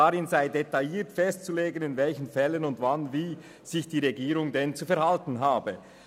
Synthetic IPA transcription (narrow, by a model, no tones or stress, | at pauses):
aʁɪnzaɪdetajiːtfɛstt͡suleːɡənɪnvɛlçənfɛlːənʊndvanviː | z̥ɪçd̥iːʁeɡiːɾʊŋdɛnt͡sufɛɐɾhaltn̩ɦaːbə